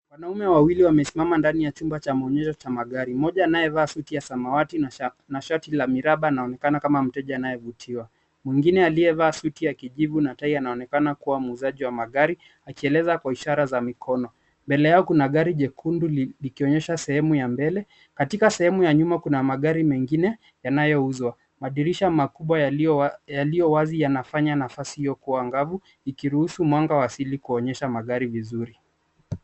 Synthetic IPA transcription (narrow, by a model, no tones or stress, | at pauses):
wanaumɛwawiliwamɛsimamandanijat͡ʃumbat͡ʃamaɔɲɛʃɔt͡ʃamaɠaɾimɔʄaːnajɛvaːsutijasamawati | naʃatilamiɾaɓanaɔnɛkanakamam̩tɛʄaːnajɛvutʰiwa | mwiŋɡinɛaliɛvaːsutiakiʄivunataianaɔnɛkanakuwamuːzaʄiwamaɠaɾi | akiɛlɛzakwaiʃaɾazamikʰɔnɔ | mbɛlɛjaɔkunaɠaɾiʄɛkʰundulikiɔɲɛʃasɛhɛmujambɛlɛ | katikasɛhɛmujaɲumakunamaɠaɾimɛŋɡinɛ | janajɔuzwa | maɗiɾiʃamakuɓwa | jalijɔwazijanafaɲanafasihijɔkuwaŋɡavu | ikiɾuhusumwaŋɡawasilikuɔɲɛʃamaɠaɾivizuɾi